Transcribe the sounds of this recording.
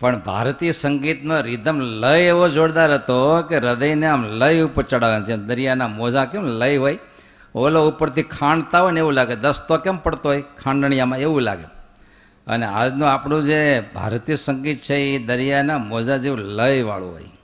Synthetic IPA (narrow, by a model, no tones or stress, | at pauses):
pəɳbʱa̰ɾt̪isəŋɡit̪noɾid̪ʱəmləjeʋod͡ʒoɽd̪aɾɦət̪okeɾəd̪əjneamləjupt͡ʃəɽaʋant͡ʃʰemd̪əɾjanamod͡ʒakemləjɦoj | oloupəɾt̪ʰikʰaɳɖt̪aɦəneʋũlaɡed̪əst̪okempəɽt̪oɦojkʰãɳɖ̪əɳ̃ijamãeʋũla̰ɡḛ | ə̰nea̰d͡ʒnũapɳũd͡ʒebʱa̰ɾt̪isəŋɡit̪̚t͡ʃʰeid̪əɾijanamod͡ʒad͡ʒiũləjʋa̰ɭṵ̃ɦo̰j